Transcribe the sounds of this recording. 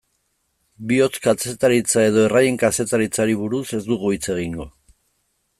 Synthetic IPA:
bio̞t͡skat͡se̞t̪aɾit͡sae̞ð̞o̞e̞rajeŋkase̞t̪aɾit͡saɾiβ̞uɾuse̞zd̪uɣ̞uit͡se̞ɣ̞iŋɡo̞

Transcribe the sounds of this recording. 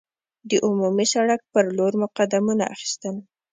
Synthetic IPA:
d̪əʔʊmumisaɽak̚pəɾloɾmʊqad̪amuna̰ʔaxi̥st̪əl

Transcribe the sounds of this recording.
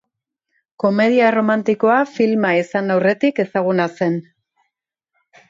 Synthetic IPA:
ko̞me̞ð̞iaro̞mant̪iko̞afilmaesanawre̞t̪ike̞saɣ̞unase̞n

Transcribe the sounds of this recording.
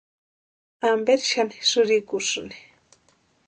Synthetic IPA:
ambeɾʃanɪ̥sʊɾikʊʂni̥

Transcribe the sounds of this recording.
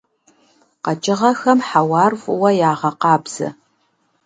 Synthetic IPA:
qɐt͡ʃʼɪʁɐxɐmħawɑːrvʼʊwɐjaːʁɐqɑːbz̥ɐ̰

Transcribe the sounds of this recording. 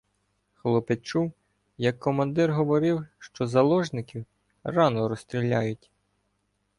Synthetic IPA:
xlˠɔpet͡ʃuw | jɐkːɔmɐnd̪ɪrɦɔʋɔɾɪwʃt͡ʃɔzɐlˠɔʒnɪkʲiw | rɑnɔɾɔst̪ɾʲilʲːɑjʊtʲ

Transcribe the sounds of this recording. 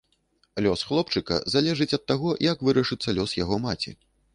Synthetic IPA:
lʲɔsxlˠɔpt͡ʂɨkɐ̰zalʲɛʐɨt͡sʲɐt̪ːaɣɔjakvɨɾɐʂɨt̪sːɐlʲɔsjaɣɔmat͡sʲḭ

